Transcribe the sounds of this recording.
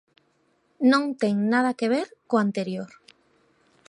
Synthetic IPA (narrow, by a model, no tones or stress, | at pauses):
nõŋt̪eŋnað̞akeβ̞eɾkoant̪eɾjoɾ